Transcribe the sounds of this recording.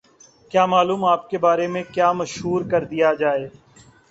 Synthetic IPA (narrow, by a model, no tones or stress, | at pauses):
kjaːmaːluːmaːp̚kebaːɾemẽkjaːmɐʃɦuːɾkɐɾd̪ijad͡ʒaːeː